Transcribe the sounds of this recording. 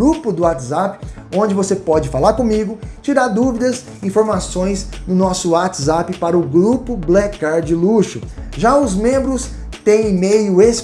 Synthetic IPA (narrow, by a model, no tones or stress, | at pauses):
ɾupʊd̪ʊat̪ɪzapɪ̥õd͡ʒɪvosepɔd͡ʒɪfalaɾkõmiɡʊt͡ʃiɾaɾd̪uvid̪ɐs | ĩfoɾmasõj̃snʊnɔsʊat̪ɪzapɪpaɾɐʊɡɾupʊblɛkaɾd͡ʒɪluʃʊʒaʊzmẽmbɾʊs | t̪ẽj̃imejʊes